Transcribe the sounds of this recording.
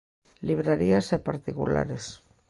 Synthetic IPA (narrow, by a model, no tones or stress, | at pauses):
liβɾaɾiasepaɾt̪ikṵla̰ɾes